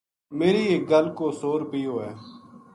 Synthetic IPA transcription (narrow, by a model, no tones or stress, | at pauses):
meːɾiːeːk̚ɡəlkoːsoːɾpiːoːɛː